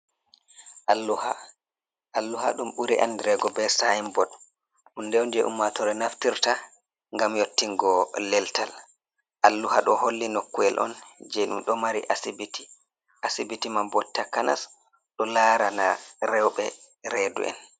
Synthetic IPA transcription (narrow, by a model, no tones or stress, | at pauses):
ʔalːuha̰ | ʔalːuha̰ɗumɓuɾiʔa̰ndɾɛɡɔbɛsajimbɔɗ | ʔundɛɔnd͡ʒɛʔṵmːatɔɾɛnaftiɾta | ŋɡamjotːiŋɡɔlɛltal | ʔalːuhaɗɔholːinokːuɛlʔɔ̰nd͡ʒɛɗumɗɔmaɾḭʔasibiti̥ | ʔasibitimambɔtːakana̰s | ɗɔlaɾanaɾɛwɓɛ | ɾɛdṵʔɛ̰n